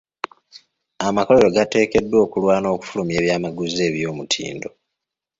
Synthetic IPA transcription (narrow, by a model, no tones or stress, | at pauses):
amako̞le̞ɾo̞ɡate̞ːke̞dːwo̞ːkulwaːno̞ːku̥fulume̞ːβjaːmaɡuze̞ːβjo̞ːmutʰḭːndo̞